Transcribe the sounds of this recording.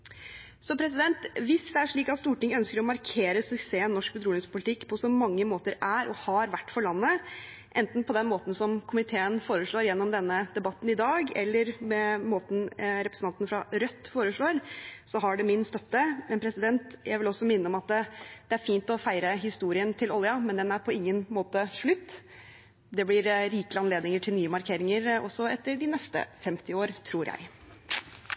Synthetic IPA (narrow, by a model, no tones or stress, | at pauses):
sɔpʰɾɛsɪd̪ɛnt̪ʋɪsd̪ɛæʂɭiːkɑt̪st̪uːʈɪŋœnskəɾɔmɑɾkʰeːɾəsʉkseːənnɔʂk̚bəd̪ɾuːlɪŋspʊlɪt̪ʰɪkːpʰɔsɔmɑŋːəmoːt̪əɾæɾʔɔhɑɾʋæʈːfɔɭɑnːə | ʔɛnt̪n̩pʰɔd̪ɛnmoːt̪n̩sɔmkʰʊmɪt̪ʰeːənfoːɾəʂɭoːɾjɛnːɔmd̪ɛnːəd̪ɛbɑt̪ːnɪd̪ɑːɡɛ̰lːəɾmɛmoːt̪n̩ɾɛpɾəsn̩ʰɑnt̪nəfɾɑɾœt̪ːfoːɾəʂɭoːɾsɔɦɑɖɛmɪnst̪œt̪ːəmɛnpʰɾɛsɪd̪ɛnt̪jæɪʋɪlɔsːɔmɪnːəɔmɑt̪ːd̪̥ɛæɾfiːnt̪ɔfæɪɾəɦɪst̪uːɾɪənt̪ʰɪlɔljɑmɛnd̪ɛnæɾpʰɔɪŋːənmoːt̪əʂɭʉt̪ː | d̪ɛblɪɾɾiːkələɑnleːd̪nɪŋəʈʰɪlnyːəmɑɾkʰeːɾɪŋəɾɔsːɔɛt̪ːəɖɪnɛst̪ə̰fɛmt̪ɪoːɾt̪ʰɾuːɾjʔæ̰ɪ